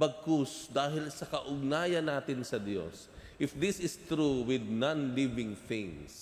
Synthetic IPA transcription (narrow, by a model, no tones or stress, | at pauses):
bɐɡ̚kʊsd̪aːɦɪlsɐkɐʔʊɡ̚naːjɐnːaːt̪ɪnsɐd̪jo̰s | ʔɪfd̪ɪsɪst̪ɾuwɪd̪̚nãnlivɪŋθɪ̃ŋs